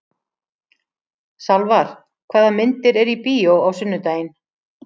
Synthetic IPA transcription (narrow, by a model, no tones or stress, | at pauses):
salvaɾ̥ | kʰvaːðamɪnt̪ɪɾɛɾipiːowawsʏnːʏt̪aːjɪn